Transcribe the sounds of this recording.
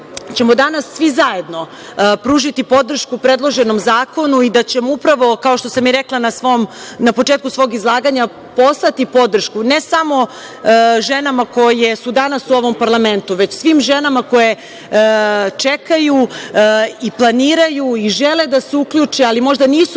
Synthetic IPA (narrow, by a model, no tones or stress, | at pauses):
t͡ɕe̞mod̪anasːʋizaje̞d̪no̞ | pɾuːʒit̪ipo̞d̪r̩ʃkupɾed̪lˠo̞ʒe̞no̞mzaːko̞nuid̪at͡ɕe̞moupɾaʋo̞kao̞ʃt̪o̞samiɾeklˠanasʋo̞mnapo̞t͡ʂeːt̪̚kusʋo̞ːɡizlˠaːɡaɲa | po̞slat̪ipo̞d̪r̩ʃkune̞samo̞ | ʒe̞namako̞jesud̪anasuo̞ʋo̞mpaɾlˠame̞nt̪uʋe̞t͡ɕsʋimʒe̞namako̞je | t͡ʂekaju | iplˠaniːɾajuiʒeled̪aseukʎʲut͡ʂealimo̞ʒd̪aniːsu